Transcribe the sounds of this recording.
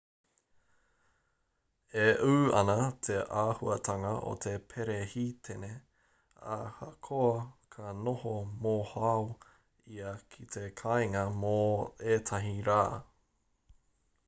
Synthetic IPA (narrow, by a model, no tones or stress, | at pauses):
eʔuːɐ̰nɐt̪ʰeʔaːhuɐt̪ʰɐŋɐʔo̰t̪ʰe̞pʰeɾehit̪ʰene | a̰hɐkʰoɐkʰɐnohomohaw | iɐkʰit̪ʰekʰɐjŋɐmoeːt̪ʰɐɦiɾaː